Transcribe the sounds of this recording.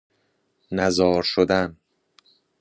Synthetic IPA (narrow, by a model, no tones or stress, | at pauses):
næzɒːɾʃod̪æn